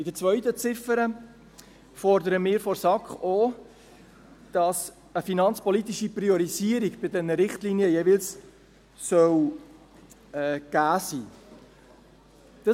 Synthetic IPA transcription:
ɪd̥ət͡sʋœʏt̪ət͡sɪfəɾə | fɔɾd̪əɾəmɪːɾfɔɾsɑkχo | d̥ɑs | əfinɑnt͡spɔlit̪iʃipriɔɾiziəɾiɡb̥ɪdɛnːəɾɪχt̪liːniəjevɪls | sœw | ɛɡ̥æːsiː | d̥ɑ

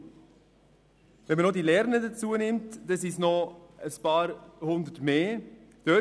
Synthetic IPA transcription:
vɛnmənod̪iːlɛɾnədət͡suənɪmtd̥əsɪsnoəspɑːɾhʊnd̪ətmeːd̥ø

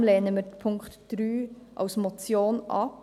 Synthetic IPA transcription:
lɛːnəməpʰʊŋktd̥ɾyːʔɑ̰wsmɔt͡sjoːnʔɑ̰

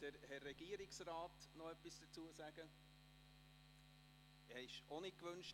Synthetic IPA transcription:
d̥əɾhɛrːɛɡ̥iəɾɪksraːt̪nɔœpːisd̥ət͡suəsæɡ̥ə | hɛɪʃonɪkʋɵnʃ

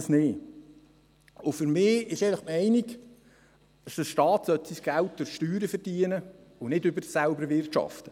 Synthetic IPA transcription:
snɪː | ʊfʏɾmɪːɪʃɛɪləχmɛɪniɡ | dɑsd̥əsʃtɑːt̪sœt̪siːsɡ̥ælt̚d̥ʊɾʃtyːɾəfəɾd̥iənə | ʊnɪdʏbəɾsælbəɾʋɪrtʃɑ̰ft̪ə

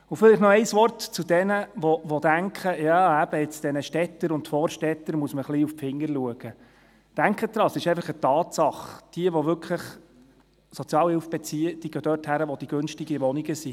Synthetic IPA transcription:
ʊfɪliχnɔɛɪsʋɔrtt͡sud̥̪ɛnəʋɔʋɔd̪æŋkχəjɑːæb̥əɪt͡sd̥ɛnəʃtɛt̪ːəɾʊndfɔːɾʃtɛt̪ːəɾmuəsməχliuffɪŋːəɾluəɡ̥ə | d̪̥æŋkχət̪ɾɑsɪʃɛɪfɑχətɑːt̪sɑχd̥iəʋɔʋʏkʰləχ | sɔt͡sjɑːlhɪlfb̥ɛt͡siːəd̥iəɡ̥œd̥ørthæɾəʋɔd̥iɡ̥ønʃtiɡəʋɔniɡəsi

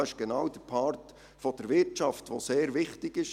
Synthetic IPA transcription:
ɪʃɡ̥ɛnɑwd̥əpʰɑːrt | fɔd̥əɾʋɪɾtt͡ʃɑftʋoːseːɾʋɪχtɪɡɪʃ

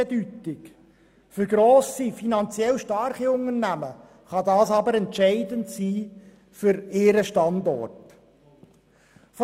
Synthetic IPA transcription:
ɛdytɪk | fʏɾɡɾoːsifinɑnt͡sjɛlʃtɑɾχiʊŋərnæmə | χɑdɑːsɑbəɾɛntʃɛɪdəntsiː | fʏɾɪːɾəʃtɑndɔ̰rt | f

